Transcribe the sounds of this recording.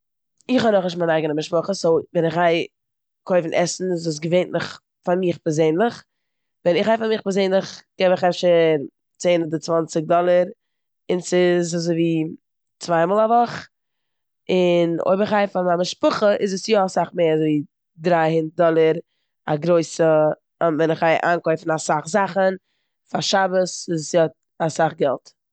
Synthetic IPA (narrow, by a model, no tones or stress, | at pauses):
ɪχhɔnɔχnɪʃtmanaɪɡənəmɪʃpʊχəsovɛnɪχhaɪ | kʰoɪfn̩ʔɛsn̩ɪzus̬ɡəveɪntnʊχ | faɾmiːχpɛɾzeɪnlˠəχ | vɛnɪχhaɪfaɾmiːχpɛɾzeɪnlˠɪχɡ̥ɛvɪχɛfʃəɾ | t͡seːnɔdət͡svant͡sɪɡ̚dɔlˠəɾ | ɪnsɪzazoɪviː | t͡svaɪmɔːlˠavɔχ | ɪno̰ɪbɪχhaɪfamamɪʃpʊχəʔɪzəsjɔasaχmeːɾazoɪvi | dɾaɪhɪnd̚dɔlˠəɾ | aɡɾoɪsə | vɛnɪχaɪʔaːnkoɪfn̩asaχzaχən | faʃabəsɪzsjɔt | asaχɡɛlˠt